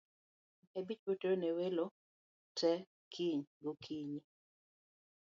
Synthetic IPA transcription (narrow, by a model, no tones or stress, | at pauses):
ebit͡ʃpoteɾonewelo | tɛ | kʰiɲɡokʰiɲi